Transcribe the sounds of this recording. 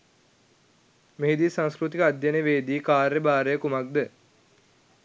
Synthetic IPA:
meɦed̪iːsãŋskɾut̪ikəad̪ʱjaneʋeːd̪iːkaːɾjəbaːɾəjəkumak̚d̪ə

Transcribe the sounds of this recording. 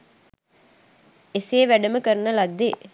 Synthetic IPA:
eseːʋæɖəməkəɾnəlad̪ːe

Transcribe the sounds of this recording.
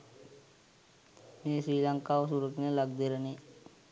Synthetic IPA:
mesɾiːlaŋkaosuɾəknẽləɡd̪eɾəni

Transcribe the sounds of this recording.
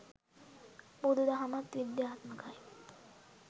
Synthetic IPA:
bod̪əd̪aɦamat̪ʋid̪jaɦat̪məkʰaj

